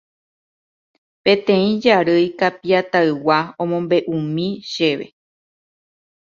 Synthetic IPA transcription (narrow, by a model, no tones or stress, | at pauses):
pẽ̞t̪ẽ̞ĩd͡ʒaɾɨjkapiat̪aɨwaõ̞mõ̞mbe̞ʔũmĩʃe̞ʋe̞̰